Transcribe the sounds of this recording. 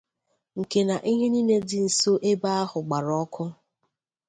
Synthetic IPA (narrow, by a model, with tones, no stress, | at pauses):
ŋ̩˨ke˨na˨ʔi˦ɦe˦ni˦ne˦dɪ˦n̩˨so˦ʔe˦ba˦a˦ɦʊ˨ɡ͡ba˨ɾɔ˦kʰʊ˦